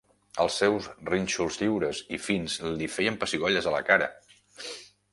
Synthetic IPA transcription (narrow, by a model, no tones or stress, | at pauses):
əlˠsːɛwzrinʲt͡ʃulˠzʎiwɾəzifinzlifɛjəmpəsiɣɔʎəzələ̰kaɾə̰